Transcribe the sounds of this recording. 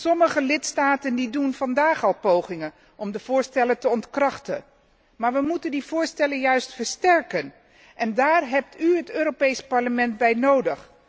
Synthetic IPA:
sɔməχəlɪtstaːtəndidunvɑndaːχɑlˠpowχɪŋən | ʔɔmdəv̥ʊːɹstɛləntəɔntkrɑχtə | maːɹʋəmutəndiv̥ʊːɹstɛləjœɥstfəɹstɛɹkən | ʔɛndaːrɦɛp̚tyɦətøːɾopejspɑɹləmɛndbɛjnowdəχ

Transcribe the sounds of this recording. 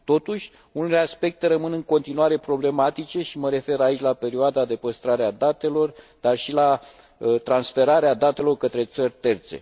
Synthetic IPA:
t̪o̞t̪uʃʲ | uneleaspe̞k̚t̪e̞ɾəmɨnɨŋko̞nt̪inuaɾe̞pɾo̞ble̞mat̪it͡ʃe̞ʃiməɾe̞fe̞ɾait͡ʃʲlape̞ɾiuoad̪ad̪e̞pəst̪ɾaɾead̪at̪e̞lo̞r | d̪̥arʃila | t̪ɾansfe̞ɾaɾead̪at̪e̞lo̞rkət̪ɾe̞t̪sərʲt̪e̞rt̪se̞̰

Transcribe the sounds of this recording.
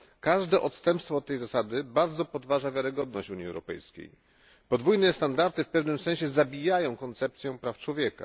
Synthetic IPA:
kaʐd̪ɛʔɔt̪st̪ɛmpst̪fɔt̪̚ːɛjzasad̪ɘbaɾd̪zɔpɔd̪vaʐavʲjaɾɘɡɔd̪nɔɕt͡ɕuɲiɛ̰wɾɔpɛ̰jskʲḛj | pɔd̪vujnɛst̪and̪aɾt̪ɘfpɛvnɘmsɛ̃ɕɛzabʲijajɔ̃w̃kɔnt̪sɛp̚t̪sʲjɔ̃w̃pɾaft͡ʂwɔvʲjɛka̰

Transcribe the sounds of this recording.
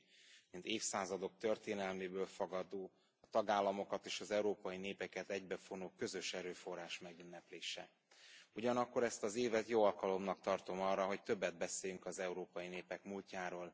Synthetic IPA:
mint̪eːfsaːzɒd̪o̞k̚t̪ørt̪eːnɛlmeːbøːlfoɡɒd̪oː | ɒt̪ɒɡaːlːɒmo̞kɒt̪eːʃɒzɛuɾoːpɒjineːpɛkɛt̪ɛɟbɛfonoːkø̞zø̞ʃɛɾøːfo̞rːaːʃmɛɡynːɛpleːʃɛ̰ | uɟɒnɒkːo̞ɾɛst̪ɒzeːvɛt̪joːɒlkɒlo̞mnɒk̚t̪ɒrt̪o̞mɒrːɒɦo̞ct̪ø̞bːɛd̪̚bɛseːjyŋkɒzɛuɾoːpɒjineːpɛkmulcaːɾoːl

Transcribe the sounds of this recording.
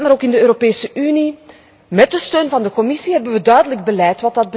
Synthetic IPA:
maɾoːkɪndəøːɾopeːsəʔyni | mɛt̚dəstøːnvɑndəkɔmɪsiɦɛbənʋədœɥdələɡ̚bəlɛjtʋɑt̚dɑd̚bə

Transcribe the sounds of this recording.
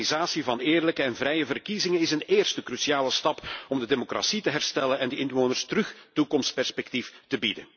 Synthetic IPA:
nizaːsivɑnɪːrləkəɛnvrɛjəvərkizɪŋənɪsəneːrstəkrysiaːləstɑpɔmdədemokra̰sitəɦɛrstɛlənɛndəɪnʋoːnərstərɵxtukɔmstpɛrspɛk̚tiftəbidən

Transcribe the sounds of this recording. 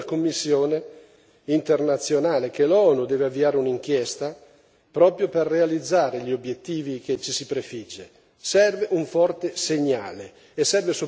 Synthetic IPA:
komːisːjoːne | int̪ernat̪sːjonaːlekelɔːnud̪ɛːveavːiaːɾeuniŋkjest̪a | pɾɔːpɾjoperːealid̪zːaːɾeʎiobːjet̪ːiːviket͡ʃːisipɾefid͡ʒːe | sɛrveʔuɱfɔrt̪eseɲːa̰ːleː | sːɛrveso

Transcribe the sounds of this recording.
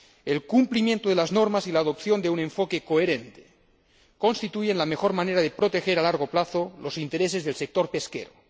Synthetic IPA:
elkumplimje̞nt̪oðelazno̞ɾmasilaːðopθjo̞nd̪eune̞ɱfo̞ke̞koeɾent̪e̥ | ko̞nst̪it̪uʝenlame̞xo̞ɾmaneɾaðepɾo̞t̪e̞xe̞ɾalaɾɣ̞o̞plaθolo̞sint̪e̞ɾes̬e̞zðe̞lsek̚t̪o̞ɾpe̞skḛɾo̰

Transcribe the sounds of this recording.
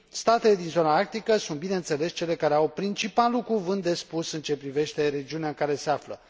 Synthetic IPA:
st̪at̪e̞le̞d̪inzo̞naak̚t̪ikəsunt̪bine̞ɨnt̪se̞le̞st͡ʃe̞le̞kaɾe̞awpɾint͡ʃipalukuvɨnt̪̚d̪e̞spusɨnt͡ʃe̞pɾive̞ʃt̪e̞ɾe̞d͡ʒiuneaɨŋkaɾe̞se̞aflə̰

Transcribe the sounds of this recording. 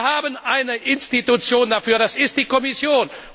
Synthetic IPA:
haːbənʔaɪnəʔɪnstitut͡sjoːndafyːɐɾasɪst̚d̥iːkɔmɪsjoːn

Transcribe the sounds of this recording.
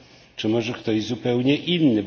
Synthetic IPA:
t͡ʂɘmɔʐɛkt̪ɔʑzupɛwɲɛʔinːɘ

